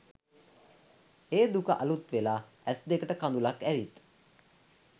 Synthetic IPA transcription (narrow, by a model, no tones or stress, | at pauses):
eːd̪ukəʔalut̪ʋelaː | æsd̪ekəʈəkand̪ulakæʋit̪